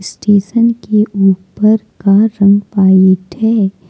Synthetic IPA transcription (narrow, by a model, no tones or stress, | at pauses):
sʈeːʃənkeʔuːpəɾkaɾɐ̃ŋɡpaːet̪ʰɛː